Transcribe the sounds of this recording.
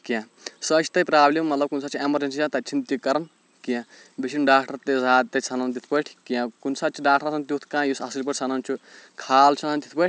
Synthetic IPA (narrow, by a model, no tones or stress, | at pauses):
kijã | sɐːsʰi̥t̪ɐpɾaːblemːɐt̪lɐbkunsat͡ʃʰiemɐd͡ʒensit͡ʃãt̪ɐt͡ʃʰint̪ikɐɾɐn | kiã | bisʰinɖaːk̚ʈɐɾt̪ezaːd̪̚t̪ɐt͡sʰɐnɐnt̪it̪ʰpɐʈʰkijãkunsaːt͡ʃʰiɖaːkʈʰɐɾt̪ʰnt̪ʲjut̪ʰkãːjusɐsilpɐʈʰʲt͡sʰanɐnt͡ʃʰukʰaːlt͡ʃʰɐnɐnt̪it̪ʰpɐʈʲʰ